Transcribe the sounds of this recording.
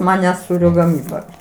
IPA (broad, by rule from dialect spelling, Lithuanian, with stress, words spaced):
ˈmɑːnʲɛ ˈsuːrʲoː ɡɐˈmʲiːbɐ